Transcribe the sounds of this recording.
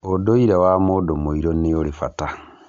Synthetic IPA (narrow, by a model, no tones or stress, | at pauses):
odoiɾawamodomoiɾonijolifata